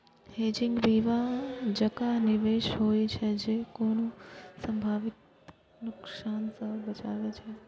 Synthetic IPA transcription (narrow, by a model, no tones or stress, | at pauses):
hed͡ʒɪŋɡʋiʋãd͡ʒəkanɪʋeʃɦojt͡ʃʰed͡ʒekonũsə̃mbʱaʋɪk̪̚ | nʊksansəbət͡ʃa̰ʋet͡ʃʰe